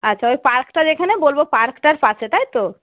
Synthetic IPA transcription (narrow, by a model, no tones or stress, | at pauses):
ətːʃʰaojpaɾkʈad͡ʒekʰanebolbopaɾkʈaɾpaset̪ajt̪o